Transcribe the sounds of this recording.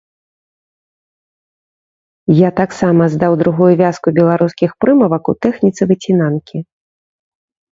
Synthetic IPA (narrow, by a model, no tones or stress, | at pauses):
jat̪aksamɐzd̪awd̪ɾuɣujuvʲaskubʲɛlˠaɾuskʲixpɾɨmɐvɐkut̪ɛxnʲit̪sɨvɨt͡sʲinankʲi